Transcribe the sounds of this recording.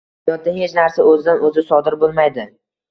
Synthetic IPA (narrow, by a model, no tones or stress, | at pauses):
jɒt̪̚d̪ahet͡ʃnaɾsaɵzɪd̪anʔɵzɪsɒd̪ɪɾbolˠmajd̪ɪ